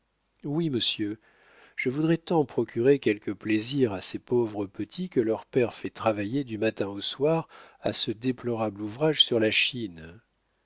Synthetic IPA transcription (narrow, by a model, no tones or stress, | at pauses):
wiməsjø | ʒ̥əvud̪ʁɛt̪ɑ̃pχɔkʲyʁekʲɛlkəpleziʁasepovʁəpət̪ʰikəlœʁpɛʁfɛt̪χavajed̪ymat̪ɛ̃oswaʁa̰səd̪eplɔʁabluvʁaʒsyʁlaʃin